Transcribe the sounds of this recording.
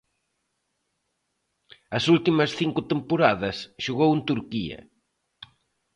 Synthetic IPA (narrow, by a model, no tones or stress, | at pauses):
ɐsult̪imɐsθiŋkʊt̪empoɾaðɐsʃuɣowent̪uɾkiɐ̰